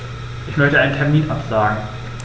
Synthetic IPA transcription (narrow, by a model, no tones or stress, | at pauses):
ʔɪçmœçtəʔaɪntʰɛɐmiːnʔapz̥aːɡŋ̩